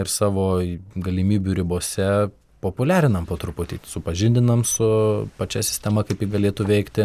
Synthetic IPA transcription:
ɪɾsɑːʋoːɡɐlʲɪmʲiːbʲuɾʲɪboːsʲɛ | poːpʊlʲæːɾʲɪnɐmpoːt̪ɾʊpʊt̪ʲiːsʊpɐʒʲɪnʲd̪ʲɪnɐmsʊpɐt͡ʃʲɛsʲɪ̥sʲt̪ʲɛmɐkɐɪpjiɡɐlʲeːt̪uːʋʲɛɪkt̪ʲɪ

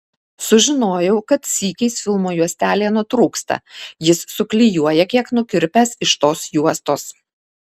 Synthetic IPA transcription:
sʊʒʲɪnoːjɛʊkɐt̪sʲiːkʲɛɪsfʲɪlˠmoːjuɔsʲt̪ʲæːlʲeːnʊt̪ɾuːkst̪ɐ̰jɪsːʊklʲɪjuɔjɛkʲiɛknʊkʲɪɾʲpʲæsɪʃt̪oːsjuɔst̪oːs

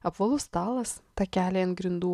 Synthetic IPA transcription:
ɐpʋɐlˠʊst̪ɑːlˠɐst̪ɑkʲæːlʲeːɐnt̪ɡɾʲɪnd̪uː

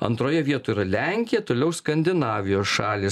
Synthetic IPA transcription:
ɐ̰nt̪ɾoːjɛʋʲiɛt̪oːiɾɐlʲæŋʲkʲɪjɛt̪oːlʲɛʊskɐnʲd̪ʲɪnɑːʋʲɪjoːsʃɑːlʲeːs

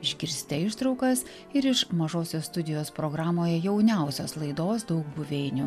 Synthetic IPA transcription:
ɪʒʲɡʲɪɾʲsʲt̪ʲɛɪʃt̪ɾɒʊkɐs | ɪɾɪʃmɐʒoːsʲoːst̪ʊd̪ʲɪjoːspɾoːɡɾɑːmoːjɛjɛʊnʲæˑʊsʲoːslˠɐɪd̪oːsd̪ɒʊkbʊʋʲɛːɪnʲʊ

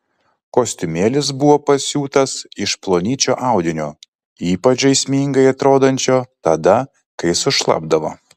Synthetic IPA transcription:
koːsʲt̪ʲʊmʲeːlʲɪs̬bʊʋoːpɐsʲuːt̪ɐsɪʃplˠoːnʲiːt͡ʃʲoːʔɑˑʊd̪ʲɪnʲoː | iːpɐt͡ʃɐɪsʲmʲiːŋɡɐɪɐt̪ɾoːd̪ɐnʲt͡ʃʲoːt̪ɐd̪ɐ | kɐɪsʊʃlˠɐ̰bd̪ɐʋo̰ː

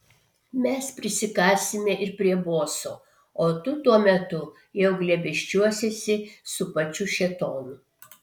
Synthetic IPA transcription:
mʲɛspʲɾʲɪsʲɪkɑːsʲɪmʲɛʔɪɾpʲɾʲiɛboːsoː | oːt̪ʊt̪uɔmʲɛt̪ʊ | jɛʊɡlʲɛbʲɛʃʲt͡ʃʲuɔsʲɛsʲɪsʊpɐt͡ʃʲʊʃʲɛt̪oːnʊ

